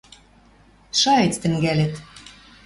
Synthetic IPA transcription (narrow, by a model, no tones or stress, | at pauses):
ʃɑet͡st̪ɘ̆ŋɡælĕt̪